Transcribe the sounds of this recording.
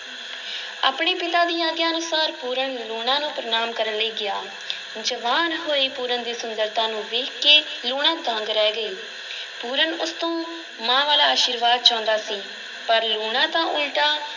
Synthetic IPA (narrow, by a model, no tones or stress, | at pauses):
a̰ːpɳeːpɪt̪aːd̪iːaːɡjaːənʊsaːɾpuːɾənluːɽãːnũːpɾənaːmkəɾənləiːɡɪjaː | d͡ʒəʋaːnɦoːeːpuːɾənd̪iːsʊnd̪əɾt̪ãːnũːʋeːkkeː | luːɽãːd̪ə̃ŋɡɾɛːɡəeː | puːɾənʊst̪õː | mãːʋaːlaːaːʃiːɾʋaːd̪̚t͡ʃãːnd̪aːsiː | pəɾluːnãːt̪ãːʔʊlʈaː